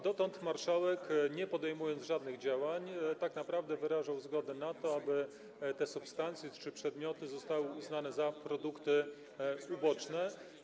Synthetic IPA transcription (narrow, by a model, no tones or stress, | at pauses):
d̪ɔt̪ɔnt̪maɾʂawɛkɲɛpɔd̪ɛjmujɔnd̪zʐad̪nɘɣd͡ʑawaɲt̪aknapɾavd̪ɛvɘɾaʐawzɡɔd̪ɛnat̪ɔabɘ | t̪ɛsupst̪ant̪sʲjɛt͡ʂɘpʂɛd̪mʲjɔt̪ɘzɔst̪awɘuznanɛzapɾɔd̪ukt̪ɘ | ubɔt͡ʂnɛ